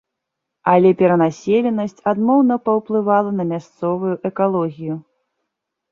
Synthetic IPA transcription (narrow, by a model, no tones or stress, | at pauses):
ɐlʲɛpʲɛɾɐnasʲelʲɛnɐsʲt͡sʲad̪mɔwnɐpɐwplˠɨvalˠɐnɐmʲast̪sɔvujuʔɛkalˠɔɣʲiju